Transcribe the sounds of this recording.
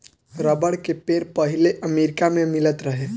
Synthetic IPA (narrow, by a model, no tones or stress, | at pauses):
ɾəbəɽkepeːɾpəɦileʔəmeːɾɪkamẽmɪlət̪ɾəɦe